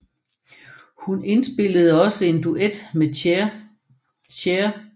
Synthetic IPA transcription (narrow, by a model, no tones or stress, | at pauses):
hunʔe̝nsb̥e̝l̰əð̞̩ˠɒ̽səe̝nd̥uʔed̥me | ɕʰeɐ